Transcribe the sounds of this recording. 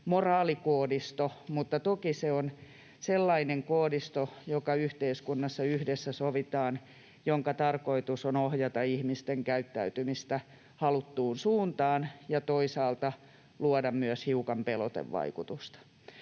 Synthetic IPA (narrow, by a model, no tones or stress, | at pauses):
morɑːlikoːdist̪omut̪ːɑt̪okiseon | selːɑineŋkoːdist̪ojokɑyht̪eiskunːɑsːɑyhdesːæsoʋit̪ɑːn | joŋkɑt̪ɑrkoit̪usonohjɑt̪ɑihmist̪eŋkæyt̪ːæyt̪ymist̪æ | hɑlut̪ːuːnsuːnt̪ɑːnjɑt̪oisɑːlt̪ɑ | luɔdɑmmyæshiukɑmpelo̰t̪ḛʋʋɑ̰ikut̪ust̪ɑ̥